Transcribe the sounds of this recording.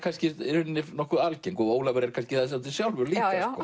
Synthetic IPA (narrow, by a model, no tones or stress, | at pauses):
kʰanscɪɾʏnːɪnɔhkʏðalceŋkɔoːwlavɛɾɛɾkʰanscɪθaðs̬ɛmt̪ʰɪsjawlvʏɾliːaskkɔ